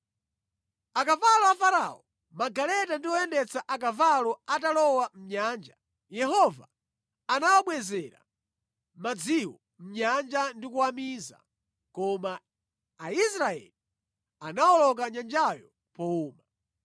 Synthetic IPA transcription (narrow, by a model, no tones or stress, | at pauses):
akavalɔafaɾa̰ɔ | maɡalɛtandiwɔɛndɛt͡saʔak̬avalɔatalɔwam̩ɲaːnd͡ʒa | jɛɦɔva̰ | anawaɓwɛzɛɾa̰ | mad͡ziwɔ | m̩ɲand͡ʒandikuwamiza̰ | kɔmaː | isɾaɛ̰li | anawɔlɔk̬aɲand͡ʒajɔ | pɔuːma